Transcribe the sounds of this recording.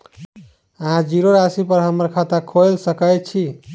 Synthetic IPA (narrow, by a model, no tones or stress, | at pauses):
əɦãd͡ʒiɾoɾasipəɾɦəməɾkʰat̪akʰojlsəkət͡ʃʰi